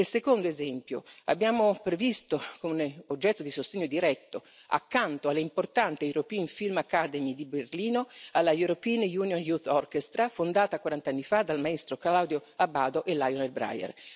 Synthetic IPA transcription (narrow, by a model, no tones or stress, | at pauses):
elsekond̪oezɛmpjoa̰bːjaːmopɾevist̪okomeod͡ʒːɛt̪ːod̪isost̪eɲːod̪iɾɛt̪ːo | a̰kːant̪oalːeimport̪ant̪euɾopiːnfilmakːad̪emid̪iberliːnoalːajuɾopinjuːnjonjut̪ɔrkest̪ɾafond̪aːt̪akwaɾant̪anːifad̪almaest̪ɾoklawd̪joabaːd̪oʔelːajonelbɾa̰jɛ̰r